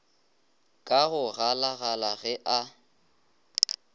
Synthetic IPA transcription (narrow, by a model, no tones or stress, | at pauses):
kʼaɣʊɣalaɣalaɣɛʔa